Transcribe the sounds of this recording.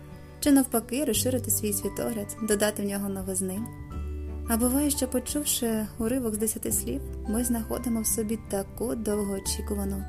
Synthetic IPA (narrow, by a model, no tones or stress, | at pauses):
t͡ʃɪnɐwpɐkɪɾɔsʃɪɾɪt̪ɪsʲʋʲijsʲʋʲit̪ɔ̰ɦlʲɐd̪d̪ɔd̪ɑt̪ɪwnʲɔɦɔnɔʋɪznɪnʲ | ɐbʊʋɑjɛʃt͡ʃɔpɔt͡ʃuwʃɪʊɾɪʋɔɡzd̪esʲɐt̪ɪsʲlʲiwmɪznɐxɔ̰d̪ɪmɔwsɔbʲit̪ɐkud̪ɔwɦɔːt͡ʃikʊʋɐnɔ